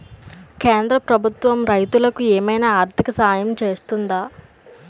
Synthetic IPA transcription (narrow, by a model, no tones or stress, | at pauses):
keːnd̪ɾɐpɾɐbʱut̪ʋɐmɾɐjt̪ulɐkueːmɐjnaaːɾt̪ʰikɐsaːjɐmt͡ʃe̞ːst̪und̪aː